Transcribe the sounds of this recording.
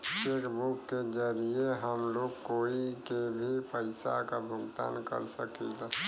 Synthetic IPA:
ʃeːkbʊkːed͡ʒəɾieɦəmloːɡkoːikebʱipəɪsakabʱʊɡt̪a̰ːnkə̰ɾsə̰kid̪a

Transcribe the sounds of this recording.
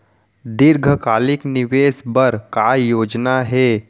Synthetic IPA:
d̪ɪɾɡʱəkaːlɪknɪʋeːsbəɾkajoːd͡ʒnaɦɛː

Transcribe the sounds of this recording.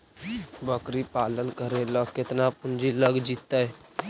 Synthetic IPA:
bəkɾipaːlənkəɾeləɡkːɪt̪napʊnd͡ʒiləɡd͡ʒit̪ːə

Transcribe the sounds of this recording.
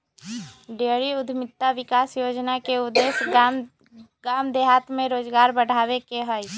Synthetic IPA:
ɖeɾiʊd̪ʱmɪt̪ːaʋikaːsjod͡ʒnakeud̪ːes | ɡamd̪eɦat̪mẽɾoːd͡ʒɡaːɾbəɽ̤abekeɦəj

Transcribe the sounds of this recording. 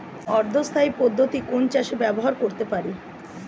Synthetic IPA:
ɔɾd̪ʱost̪ʰaipod̪ʱːot̪ikont͡ɕaʃebɛboɦaɾkoɾt̪epaɾi

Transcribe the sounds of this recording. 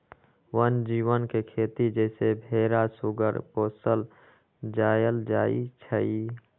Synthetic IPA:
wənd͡ʒiːwənkekʰeːt̪id͡ʒɛːsebʱeːɾasʊɡə̰ɾpoːsəl | d͡ʒaːjəld͡ʒaːḭt͡ʃʰəi

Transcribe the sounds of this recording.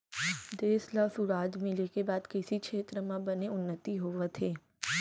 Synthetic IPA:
d̪eːslɔːsuɾaːd͡ʒmɪlekebaːd̪kɪsikʃʰeːt̪ɾəmãbɐneʊnːət̪iɦoːʋet̪ʰeː

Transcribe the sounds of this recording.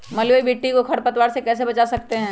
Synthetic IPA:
mɐljoibeːʈːikokʰɐɾpɐt̪waːɾsekɛːs̬ebɐt͡ʃasɐkt̪eɦɛ̃ː

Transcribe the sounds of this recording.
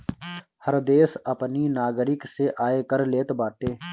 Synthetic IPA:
həɾd̪eːsəpninaːɡɾɪkseʔaːekəɾleːt̪baːʈeː

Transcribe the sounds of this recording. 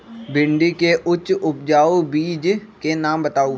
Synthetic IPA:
bɪ̃ɳɖikeʔʊt͡ʃʊp̚d͡ʒaːobiːd͡ʒkenaːmbət̪aːu

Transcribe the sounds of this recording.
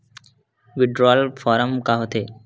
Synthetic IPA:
ʋiɖɾɔlfʰɔɾəmkaɦot̪ʰe

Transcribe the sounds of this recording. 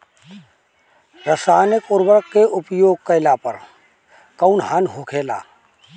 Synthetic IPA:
ɾəsaːnɪkʊɾbəɾkkːeʔʊpjoːɡ̚kəɪlaːpəɾ | kəʊnɦaːnɦʊkʰeːla̰ː

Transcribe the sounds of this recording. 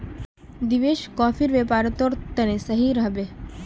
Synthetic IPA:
d̪iʋeʃkɔːfiɾʋepaɾət̪oɾt̪ənesəɦiɾəɦbe

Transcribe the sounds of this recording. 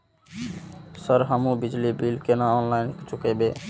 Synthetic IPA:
səɾɦamubid͡ʒlibilkenaɔnlajnkit͡ʃʰukebe

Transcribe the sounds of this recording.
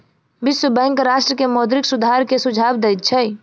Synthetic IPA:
biswəbə̃ŋkɾaʃʈɾəkemɔd̪ɾiksud̪ʱaɾkesud͡ʒʱabd̪ɛjt̪̚t͡ʃʰɛ

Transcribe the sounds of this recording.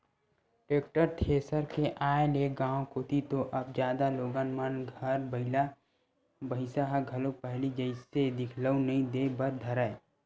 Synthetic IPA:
ʈɾeːk̚ʈəɾt̪ʰeːsəɾkeʔaːeleɡãːõkoːt̪it̪oʔɐb̚d͡ʒjaːd̪aloːɡãːnmənɡʱəɾbəɪla | bəɦɪsaɦaɡʱəlopɛɦlid͡ʒəɪsed̪ɪkʰləunɐɦĩd̪ebəɾd̪ʱəɾae

